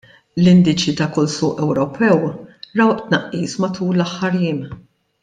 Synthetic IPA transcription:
lɪnd̪ɪt͡ʃit̪ɐkʊlsʊːʔɛwɾɔpʰɛwɾɐwʔt̪nɐʔːiːsmɐt̪uːlːɐħːɐɾjiːm

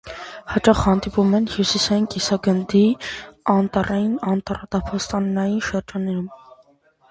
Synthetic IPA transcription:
hɑt͡ʃɑχhɑnd̪ipumɛnhjusisɑjinkʼisɑɡənd̪iɑnt̪ɑrɑjinɑnt̪ɑɾɑt̪ɑpʰɑst̪ɑnːɑjinʃəɾd͡ʒɑnːɛɾum

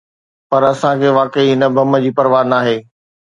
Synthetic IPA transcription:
pɐɾɐsãkʰeːʋaːkəiɦɪnə̆bʱɐmə̆d͡ʑiːpɐɾʋaːɾnaːɦeː

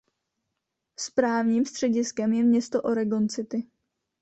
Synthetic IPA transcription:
spɾaːvɲiːmst̪r̥ɛɟɪskɛmjɛmɲɛst̪o̞ʔo̞ɾɛɡo̞nt͡sɪt̪ɪ

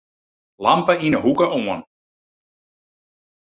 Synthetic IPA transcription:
lɑmpəinəɦukəʔoən

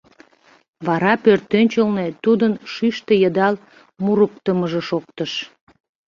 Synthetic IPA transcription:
βɑɾɑpørt̪ønʲt͡ɕəlnet̪ud̪ənʃyʃt̪ejəd̪ɑl | muɾukt̪əməʒeʃokt̪əʃ

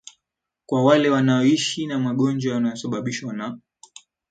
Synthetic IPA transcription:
kwawalɛwanaɔiʃinamaɠɔnd͡ʒwawanaɔsaɓaɓiʃwana

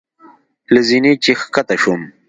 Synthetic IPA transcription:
lizinit͡ɕixkɐt̪ɐɕum

